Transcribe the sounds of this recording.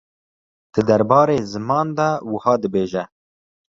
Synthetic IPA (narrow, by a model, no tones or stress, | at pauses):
d̪̥ɨd̪ɐɾbɑːɾeːzɨmɑːnd̪ɑwəhɑːd̪ɨbeːʒɛ